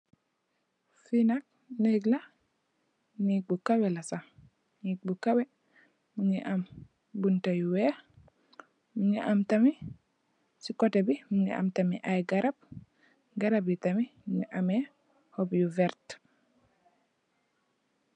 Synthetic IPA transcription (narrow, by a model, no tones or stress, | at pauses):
finak̚ | neɡla | nik̚bukawɛlasa | nik̚bukawɛ | muɲiʔam | buntajuwɛ | muɲiʔamtami | sikɔtebimuɲḭʔa̰mtamḭʔajɡaɾab̚ | ɡaɾabjitamimuɲiʔame | hobjuvɛɾt